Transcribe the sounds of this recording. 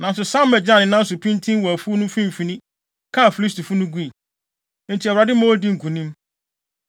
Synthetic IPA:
nã˨n˦s̬ʊ˨sã˦mː˦ɛ˨d͡ʑɪ˦ã˦˨nɪ̃˨nã˦n̩˦sʊ˨pʰĩ˦ntʰĩ˦nwɔ˨æ˨fu˦nʊ̃˦fĩ˦m̩˨fĩ˨nĩ˦ | kʰã˦˨fi˨li˦stʰi˨fʊ˦nʊ̃˦ɡi˦i˨ | n̩˨tʰi˨ɛ˨wɾa˨dɪ˦mã˦wo˦di˦ŋ̩˨kʰũ˨nĩ˦m

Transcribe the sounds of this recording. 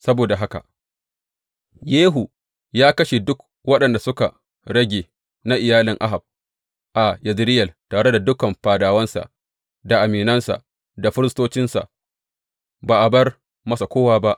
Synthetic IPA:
sɐ˦boː˨da˨ɦa˦ka̰˨ʔ | jeː˦ɦu˨ | jaː˦kɐ˦ʃe˨dʊ˦k | wɐ˦ɗɐ˨nda˨sʊ˦ka̰˨ | ɽɐ˦ɡʲeː˨ | na˦ʔɪ˨jaː˦lɪ˨ŋʔa˦ɦa˨b̚ | ʔa˨jɐ˨zɪ˦ɾɪ˦jɐ˨ltaː˨ɽe˦da˨dʊ˦kɐ˨mɸaː˨daː˨wɐ˦nsa̰˨ | da˨ʔa˨miː˨nɐ˦nsa̰˨ʔ | da˨ɸʊ˦ɾɪ˦s̬toː˦t͡ʃɪ˦nsa̰˨ʔ | baː˨ʔa˨bɐ˦r | mɐ˦sa˨kʷoː˦waː˦ba˦ʔ

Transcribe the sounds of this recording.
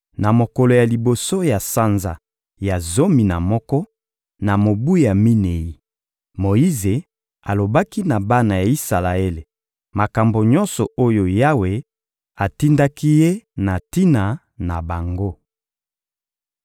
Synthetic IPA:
na˨mo˨kɔ˨lo˨ja˨li˨bo˨so˦ja˨sa˦nza̰˨ | ja˨zo˦mi˨na˨mɔ˦kɔ˦ | na˨mo˨bu˦ja˨mi˦ne˨ji˦ | mo˨i˦ze˨ | a˨lo˨ba˦ki˦na˨ba˦na˨ja˨i˦sa˨la˨e˦le˨ | ma˨ka˨mbo˨ɲɔ̃˦nsɔ˨o˦jo˨ja˦we˨ | a˨ti˦nda˦ki˦je˦na˨ti˦na˨ | na˨ba˨ŋɡo˦

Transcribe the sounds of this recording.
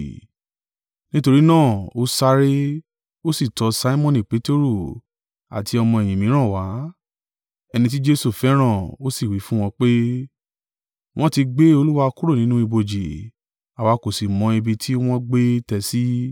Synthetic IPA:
nĩ˦to˧ɾi˦nãː˦˨o˦sa˦ɾe˦ | o˦si˦˨tɔ˧sa˦i˦mɔ̃˦nĩ˨k͡pe˨˦te˦ɾu˦˨ | a̰˨ti˧ɔ˧mɔ̃˧ɛ˨j̃ĩ˨mĩ˨˦ɾ̃ã˦˨wa˨˦ | ɛ˧nĩ˧t̬i˦d͡ʒe˦su˦˨fɛ˨˦ɾ̃ã˦˨o˦si˦˨wi˨˦fũ˦w̃ɔ̃˧k͡pe˦ | w̃ɔ̃˦ti˧ɡ͡be˦o˧lu˦wa˧ku˦ɾo˦˨nĩ˨˦nũ˦i˧bo˧d͡ʒi˨ | a˨wa˨˧ko˨si˨mɔ̃˧e˧bi˧tʰi˦w̃ɔ̃˦ɡ͡be˦tɛ˧si˦

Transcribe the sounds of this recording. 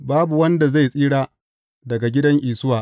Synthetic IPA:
baː˦bu˨wɐ˦nda˨za˦˨jsʼiː˦ɽaː˦ | dɐ˨ɡa˨ɡʲɪ˦dɐ˦ŋʔiː˨sʊ˦waː˨

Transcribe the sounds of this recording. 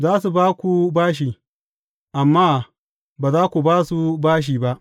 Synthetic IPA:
zaː˦su˨baː˦kʷu˨baː˦ʃ̬iː˨ | ʔa˨mːaː˦ | baː˨zaː˦kʷu˨baː˦su˦baː˦ʃ̬iː˨ba˦ʔ

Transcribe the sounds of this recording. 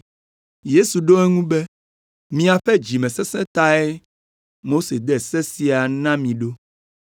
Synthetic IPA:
je˦su˨ɖo˦ɛ˦ŋũ˦be˦ | mĩ˨˦a˨ɸɛ˦d͡ʑi˨mɛ̃˨sɛ˦sɛ̃˦t̪a˦ɛ˦ | mo˦se˨d̪ɛ˦sɛ˦si˨a˨nã˦mĩ˨ɖo˦

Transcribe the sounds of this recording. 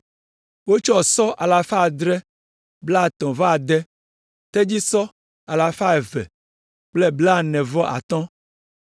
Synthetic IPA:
wo˦t͡ʃɔ˦˨sɔ˦ʔa˨la˨fa˦˨d̪ɾɛ˦ | bla˦˨t̪ɔ̃˨va˦˨d̪ɛ˦ | t̪e˦d͡ʑi˦sɔ˦ | a˨la˨fa˦e˨vɛ̰˨ | k͡ple˦bla˦nɛ̃˨vɔ˦ʔa̰˨t̪ɔ̃˦

